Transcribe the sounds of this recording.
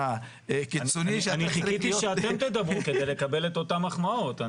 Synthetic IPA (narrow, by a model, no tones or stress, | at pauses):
a | kit͡soniʃaniχikit̪iʃeae̞mt̪ed̪abʁuke̞d̪ejle̞kabe̞le̞t̪o̞tamaχmao̞ta